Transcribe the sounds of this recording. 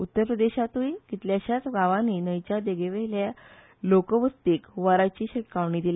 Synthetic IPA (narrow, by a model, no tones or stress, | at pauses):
ut̪ːəɾpɾəd̪eɕat̪ujkit̪ljaɕjat͡sɡaʋãninəjt͡ɕjad̪eɡeʋelja | lokəʋəst̪ikʋaɾat͡ɕiːɕeʈkaʋɳiːd̪ila